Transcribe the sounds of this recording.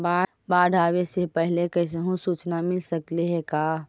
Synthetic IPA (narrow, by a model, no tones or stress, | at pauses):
ba | baɖʱabesepəɦlekəɪs̬eɦũsuːt͡ʃnamɪlsəkleɦɛka